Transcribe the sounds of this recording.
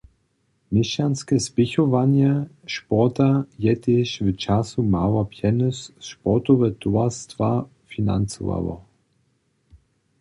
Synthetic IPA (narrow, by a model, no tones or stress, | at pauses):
mɪʃanskɛspɪçɔvanjɛ | ʃpɔtajɛtʰɪʃvət͡ʃasumawɐpʰjɛnɔsʃpɔt̪ɔvɛt̪uastv̥a | fina̰nt͡so̰va̰vɔ̰